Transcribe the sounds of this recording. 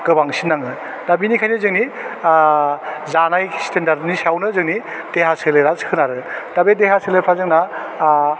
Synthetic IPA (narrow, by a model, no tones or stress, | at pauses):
ɡ̥ɯbaŋsinːaŋɯ | dabinikʰajnizɯŋni | zanajstendaɾdnisawnɯzɯŋni | d̥eɦaseleɾaskʰɯnaɾɯdabedeɦaseleɾpʰazɯŋna